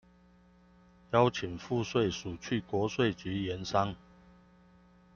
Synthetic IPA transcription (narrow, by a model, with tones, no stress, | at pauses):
jɑ˦ʊt͡ɕʰi˨˩ŋfu˥˨swe˥˨ɪʂu˨˩t͡ɕʰy˥˨kwɔ˨˥˦swe˥˨ɪt͡ɕy˨˦jɛ˨˦nsɑ˦ŋ